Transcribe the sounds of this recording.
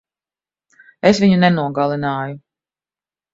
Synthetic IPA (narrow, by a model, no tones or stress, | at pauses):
esviɲunɛnuɔɡalˠinaːju